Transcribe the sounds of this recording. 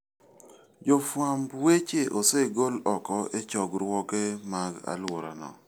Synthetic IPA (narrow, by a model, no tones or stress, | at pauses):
d͡ʒofwambwet͡ʃeʔoseɡolɔkɔʔet͡ʃɔɡɾwɔkemaɡa̰lwoɾa̰nɔ̰